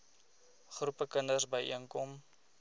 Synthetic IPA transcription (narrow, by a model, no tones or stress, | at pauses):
χrupəkənərsbəjʔiəŋkɔm